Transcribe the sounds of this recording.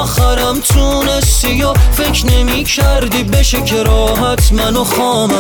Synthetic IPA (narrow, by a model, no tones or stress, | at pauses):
xæɾæmt̪ʰuːnest̪ijofekɾnemiːkʰæɾd̪ibeʃekʰeɾɒːɦæt̪ʰmænoxɒːmæ